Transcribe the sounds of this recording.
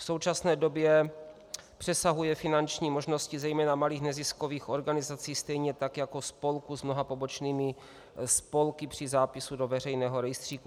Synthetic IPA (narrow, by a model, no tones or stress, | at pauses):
fso̞wt͡ʃasnɛːdo̞bjɛ | pr̥ɛsaɦujɛfɪnant͡ʃɲiːmoʒno̞scizɛjmɛːnamaliːxnɛzɪskoviːxo̞ɾɡanɪzat͡siːst̪ɛjɲɛt̪akjakospo̞lkuzmno̞ɦapo̞bot͡ʃniːmɪ | spo̞lkɪpr̝̥ɪzaːpɪsudo̞vɛr̝ɛjnɛːɦoɾɛjst̪r̥iːku